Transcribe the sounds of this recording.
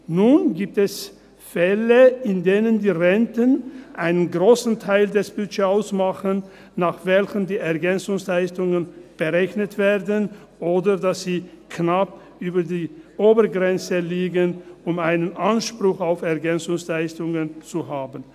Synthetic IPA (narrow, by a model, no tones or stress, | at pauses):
nuːnɡiːp̚tɛs | fɛləɪndeːnəndiːʁɛntənʔaɪnənɡʁoːsn̩tʰaɪldɛsb̥yd͡ʒeːaʊsmaχən | naːχv̥ɛlçəndiːɛɐɡɛnt͡sʊŋslaɪstʊŋənb̥əʁɛçnətv̥eːɐdən | ʔoːdədasz̥iː | kʰnap | ʔyːbɐdiːʔoːbəɡʁɛnt͡səliːɡənʊmaɪnənʔanʃpʁ̥ʊxaʊfɛɐɡɛnt͡sʊŋslaɪstʊŋənt͡suhaːbən̩